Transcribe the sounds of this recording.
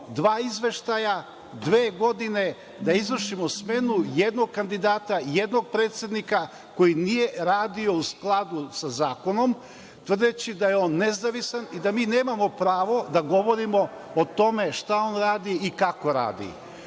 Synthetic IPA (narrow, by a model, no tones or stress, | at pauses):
d̪ʋaːizʋe̞ʃt̪aja | d̪ʋeːɡo̞d̪ine̞ | d̪aizʋr̩ʃimosme̞nujed̪no̞ɡ̚kand̪id̪aːt̪ajed̪no̞ɡ̚pɾeːt̪sʲed̪nika | ko̞jinije̞ɾaːd̪io̞usklˠad̪usazaːko̞no̞m | t̪ʋr̩d̪et͡ɕid̪ajeoːnːezaʋisanid̪amiːneːmamo̞pɾaːʋo̞d̪aɡo̞ʋo̞ɾimo̞ | ot̪o̞me̞ʃt̪ao̞ːnɾaːd̪iikako̞ɾa̰ːd̪ḭ